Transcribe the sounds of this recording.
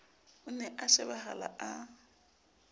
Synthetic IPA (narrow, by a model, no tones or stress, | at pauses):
ʊnɛʔaʃɪbaɦa̰la̰ʔa